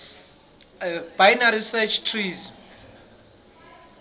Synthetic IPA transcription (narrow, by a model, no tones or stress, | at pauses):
b̥ajnaɾisɛt͡ʃʰtʰriz